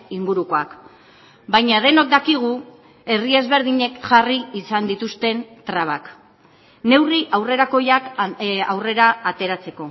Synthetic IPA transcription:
iŋɡuɾuko̞ak | bajɲað̞e̞no̞k̚d̪akiɣ̞u | e̞rie̞zβe̞ɾðiɲe̞kʝariːsand̪it̪ust̪e̞nt̪ɾaβ̞ak | ne̞wriʔawre̞ɾako̞jakawre̞ɾaːt̪e̞ɾat͡se̞ko̞

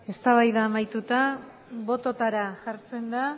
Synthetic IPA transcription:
e̞st̪aβajðaːmajt̪ut̪a | βo̞t̪o̞t̪aɾaʝaɾt͡se̞nd̪a

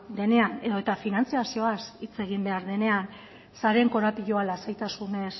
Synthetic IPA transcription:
d̪e̞ne̞ane̞ðo̞e̞t̪afinant͡siasio̞asit͡se̞ɣ̞imbe̞aɾðe̞ne̞an | saɾe̞ŋko̞ɾapiʎoalasajt̪asune̞s

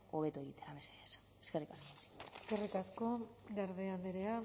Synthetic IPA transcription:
oβe̞t̪ue̞ɣit̪e̞ɾameseðes | eskerikaskoeskerikasko̞ɡaɾðeand̪eɾea

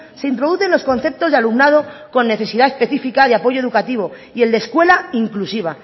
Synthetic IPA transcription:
seint̪ɾo̞ðuθe̞nlo̞sko̞nθe̞p̚t̪o̞zðealumnað̞o̞ko̞nːe̞θe̞siðae̞spe̞θifikaðeapo̞ʝoeðukat̪iβo̞ | ie̞ld̪eskwe̞laiŋklusiβ̞a

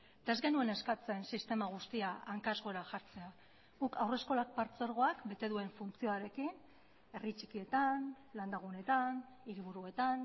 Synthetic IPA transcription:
d̪̥aezɣe̞nue̞ne̞skat͡se̞nsist̪e̞maɣ̞ust̪iaaŋkazɣo̞eɾaʝaɾt͡se̞a | ɣukawre̞sko̞lak̚paɾt͡se̞ɾɣ̞o̞akbe̞t̪e̞ðue̞ɱfunt͡sio̞aɾe̞kin | e̞rit͡ʃikie̞t̪an | land̪aɣ̞une̞t̪an | iɾiβ̞uɾue̞t̪an

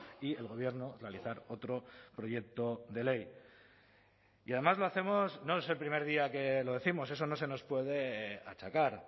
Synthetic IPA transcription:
ie̞lɣo̞β̞je̞ɾno̞realiθaɾo̞t̪ɾo̞pɾo̞je̞k̚t̪o̞ðe̞le̞j | iað̞emazlo̞aθe̞mo̞sno̞ese̞lpɾime̞ɾð̞iake̞lo̞ð̞e̞θimo̞s̬e̞s̬o̞no̞se̞no̞spwe̞ð̞e̞a̰t͡ʃakaɾ

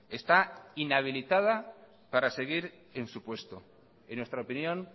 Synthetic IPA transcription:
e̞st̪ainaβ̞ilit̪að̞a | paɾase̞ɣ̞iɾ | e̞nsupwe̞st̪o | enwe̞st̪ɾaopinjõ̞n

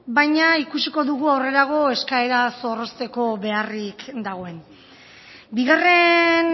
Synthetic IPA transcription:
bajɲaikusiko̞ðuɣuawre̞ɾaɣ̞o̞eskaeɾaso̞ro̞st̪e̞ko̞βe̞arikd̪aɣ̞o̞e̞n | biɣare̞n

